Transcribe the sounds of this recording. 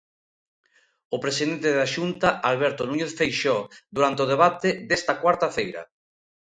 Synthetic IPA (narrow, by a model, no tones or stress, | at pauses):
opɾesiðent̪eðaʃunt̪aalβɛɾt̪onuɲeθfejʃɔðuɾant̪eoð̞eβ̞at̪eðɛst̪ɐkwaɾt̪afejɾɐ̰